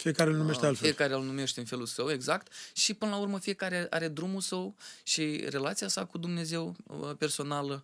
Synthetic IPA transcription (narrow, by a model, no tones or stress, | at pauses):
fijekaɾelnumeʃt̪ealfijekaɾeɨlnume̞ʃt̪eɨnfe̞lulsəwe̞ɡzakt̪ʃipɨnəlaurməfije̞kaɾe̞ʔa̰ɾe̞d̪ɾumulsəwʃire̞lat̪siasakud̪umne̞ze̞wpe̞rso̞nalə